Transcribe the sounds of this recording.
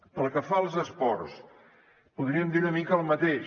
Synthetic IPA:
pəlˠkəfaəlˠzəspɔrs | puðɾiəmd̪iɾunəmikəːlˠmət̪eʃ

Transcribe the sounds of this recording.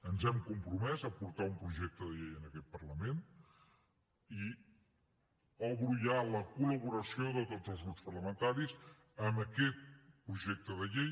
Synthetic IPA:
ənzɛmkumpɾumɛzəpuɾt̪aumpɾuʒɛk̚t̪əðəʎejənəkɛt̪̚pərləmen | i | əβɾuʎaləkuləβuɾəsioðət̪od͡zəlˠzɣɾupspərləmənt̪aɾiz | əməkɛt̪̚pɾuʒɛk̚t̪əðəʎej

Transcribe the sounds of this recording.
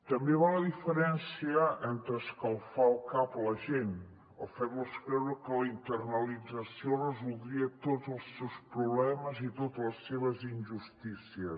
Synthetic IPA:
t̪əmbeβaləðifəɾɛnsiəənt̪ɾəskəlˠfalˠkapləʒen | əfɛmoskɾɛwɾəkələint̪ərnəlid͡zəsiorəzulˠd̪ɾiət̪ozəlˠsːɛwspɾuβlɛməzit̪ot̪ləsːeβəzinʲʒust̪isiəs

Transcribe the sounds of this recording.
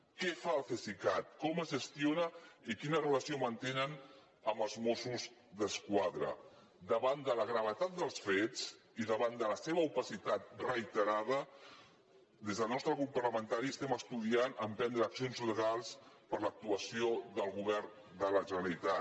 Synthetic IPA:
kɛfaəlˠfesikat̪̚kɔməzʒəst̪ionəikinərələsiomənt̪enən | əmbəlˠzmosuz | ðəskwaðɾə̰ | d̪əβand̪ələɣɾəβət̪at̪̚d̪əlˠsfet͡s | iðəβand̪ələseβəupəsit̪at̪̚rəit̪əɾaðə | d̪ezðəlˠnɔst̪ɾəɣɾupːərləmənt̪aɾiəst̪ɛməst̪uðianəmpɛnd̪ɾəːksionzləɣ̞alˠspəɾlək̚t̪uəsioðəlˠɣuβɛrn | d̪ələʒənəlit̪a

